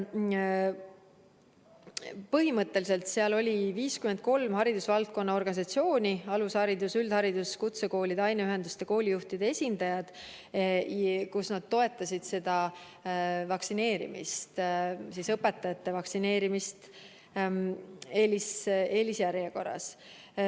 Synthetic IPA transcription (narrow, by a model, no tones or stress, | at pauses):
pɤɦimɤt̪ːˑe̞lise̞lt̪seɑlo̞lʲiviːskymend̪̚ko̞lmhɑɾid̪̥usvɑlt̪̚ko̞nːɑo̞rɡɑnʲis̬ɑt̪sio̞ːnʲiɑlushɑɾid̪usyld̪̥hɑɾid̪̥uskut̪seko̞ːlʲid̪̥ɑjneyɦe̞nd̪u̥st̪e̞ko̞ːlʲijuht̪id̪̥e̞e̞sʲind̪ɑjɑd̪̥ | kusnɑd̪̥t̪o̞e̞t̪ːˑɑsʲid̪̥se̞d̪̥ɑ | vɑksine̞ːɾḭmḭst̪sisɤpːe̞t̪ːˑɑjɑt̪ːe̞vɑksine̞ːɾimist̪ | eːlise̞ːlisjæɾjɑko̞rːɑ̰s